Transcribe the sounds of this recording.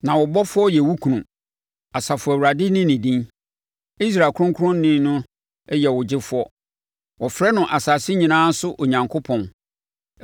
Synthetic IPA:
nã˨wɔ˨bɔ˦fʊ˦ɔ˦jɛ˨wu˦kʰũ˨nũ˨ | a˨sa˨fʊ˨æ˨wu˨ɾa˨dɪ˦nɪ̃˦nĩ˨dĩ˦n | i˦s̬ɾa˨kʰʊ̃˦ŋkʰʊ˦ɾʊ̃˦n̩˦nɪ̃˦n˦nʊ̃˦ | jɛ˨wʊ˨d͡ʑɪ˦fʊ˦ɔ˦ | wɔ˨fɾɛ˦nʊ̃˨ʔa˨sa˨sɪ˦ɲĩ˨nãː˦sʊ˦ʔo˨ɲã˨ŋkʰo˦pʰɔ̃˨n

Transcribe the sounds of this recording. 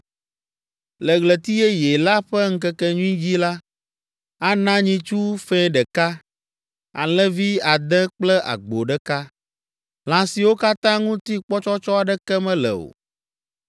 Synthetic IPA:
lɛ˨ɣlɛ˨t̪i˦jɛ˦jɛ˨la˦ɸɛ˦ŋ̩˦kɛ˦kɛ˦ɲũ˦ĩ˦d͡ʑi˦la˦ | a˦nã˦ɲĩ˦t͡ʃu˦fɛ̃˦ɖɛ˨ka˦ | a̰˨lɛ̃˦vi˦a˨d̪ɛ̃˦k͡plɛ˦ʔa̰˨ɡ͡bo˨ɖɛ˦ka˦ | l̃ã˨si˨wo˦ka˦t̪ã˦ŋũ˦t̪i˦k͡pɔ˦t͡ʃɔ˦t͡ʃɔ˦a˨ɖɛ˦kɛ˦mɛ̃˦lɛ̰˨o̰˨

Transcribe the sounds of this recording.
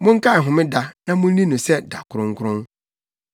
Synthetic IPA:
mʊ̃˦ŋ̩˦ka˦ɛ˨ɦʊ̃˨mɪ̃˦da˨nã˦mʊ̃˦n˦nĩ˦nʊ̃˨sɛ˦da˨kʰʊ˨ɾʊ̃˦ŋ̩˦kʰʊ˦ɾʊ̃˦n

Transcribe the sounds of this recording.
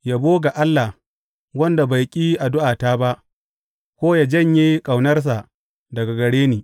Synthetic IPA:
ja˦boː˦ɡa˨ʔa˦lːa˨h | wɐ˦nda˨ba˨jkʲʼiː˦ʔa˨dʊ˦ʔaː˨taː˦ba˦ʔ | kʷoː˦ja˨d͡ʒɐ˦˨ɲje˦kʼa˨wnɐ˦rs̬a˨ʔ | dɐ˨ɡa˨ɡɐ˨ɽeː˦niː˨

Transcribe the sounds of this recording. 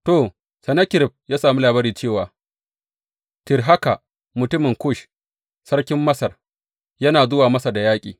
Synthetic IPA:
to˨ | sɐ˨nɐ˦kʲɪ˦ɾɪ˨b̚jaː˦saː˨mi˦laː˨bɐ˦ɾiː˨t͡ʃeː˦˨waː˨ | tɪ˨rɦa˦ka˨ | mʊ˨tʊ˦mɪ˨ŋkʷʊ˦˨ʃ | sɐ˦rkʲɪ˦mːɐ˦sɐ˨r | jɐ˦naː˨zʊ˦waː˨mɐ˦sa˨da˨jaː˦kʲʼḭː˨

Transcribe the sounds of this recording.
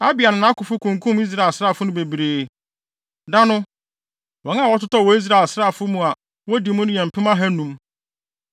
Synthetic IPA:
a˦bɪ˨a˨nɪ̃˨nã˨˦kʊ˨fʊ˦kʰũ˨ŋkʰũ˦mi˦s̬ɾa˨e˨lsɾa˦˨fʊ˦nʊ̃˦be˨bɾeː˨ | da˦nʊ̃˦ | wɔ̃˨nã˦˨wɔ˦tʰʊ˦tʰɔ˦˨wɔ˨˦i˦s̬ɾa˨e˨lsɾa˦˨fʊ˦mũ˨a˨ | wɔ˦di˨mʊ̃˦nʊ̃˦jɛ̃˨m˨pʰɪ˦mã˦ɦæ˦nũ˨˦m

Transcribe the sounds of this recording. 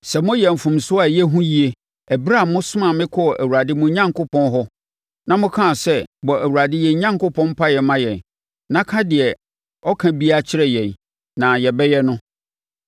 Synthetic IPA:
sɛ˨mʊ̃˦jɛ˨m̩˨fũ˨msʊ˦a˨jɛ˦ɦũ˦ji˦e˦ | ɛ˨bɾa˦˨mʊ̃˦sʊ˦mã˦˨mɪ̃˦kʰɔ˦˨ʔæ̰˨wu˨a˨dɪ˦mʊ̃˦ɲã˦ŋkʰʊ˦pɔ̃˦nɦɔ˦ | nã˦mʊ̃˦kʰã˦˨sɛ˦bɔ˨ʔæ˨wu˨ɾa˨dɪ˦jɛ˨˦ɲã˦ŋkʊ˦pʰɔ̃˦m˦pʰa˦jɛ˨mã˦jɛ̃˨n | nã˦kʰã˦dɪ˨ɛ˨ | ɔ˦kʰã˦bi˦a˦t͡ɕʰɪ˦ɾɛ˦jɛ̃˨n | nã˨jɛ˨bɛ˦jɛ˦nʊ̃˦

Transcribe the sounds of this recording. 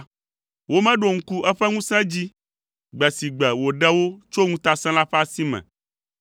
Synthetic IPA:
wo˦mɛ̃˦ɖo˨ŋ̩˦ku˦ʔɛ˦ɸɛ˦ŋũ˦sɛ̃˦d͡ʑi˦ | ɡ͡bɛ˨si˨ɡ͡bɛ˨wo˨ɖɛ˦wo˦t͡ʃo˦ŋũ˦t̪a˦sɛ̃˦la˦ɸɛ˦a˦si˦mɛ̰̃˨

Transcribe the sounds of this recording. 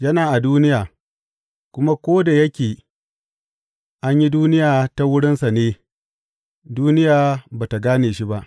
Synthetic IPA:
jɐ˦naː˨ʔa˨duː˦nɪ˦jaː˨ | kʷʊ˦ma˦kʷoː˦da˨jɐ˦kʲeː˨ | ʔa˦ɲji˦duː˦nɪ˦jaː˨ta˨wʊ˦ɽɪ˦nsa˨neː˦ | duː˦nɪ˦jaː˨baː˨ta˨ɡaː˦neː˨ʃi˦ba˦ʔ

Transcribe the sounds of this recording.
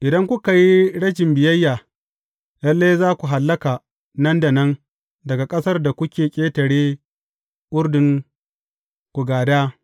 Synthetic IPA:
ʔɪ˨dɐ˦ŋkʷʊ˦ka˨ji˦ɽɐ˦ʃɪ˨mbɪ˨jɐ˦jːaː˨ | jɐ˦lːeː˦zaː˦kʷu˨ɦa˨lːɐ˦ka˨ | nɐ˦ndɐ˨nɐ˦n | dɐ˨ɡa˨kʼɐ˦sɐ˦rda˨kʷʊ˦kʲeː˨kʲʼeː˦tɐ˨ɽeː˦ | ʔʷʊ˦rdɪ˨ŋ | kʷu˨ɡaː˨daː˦

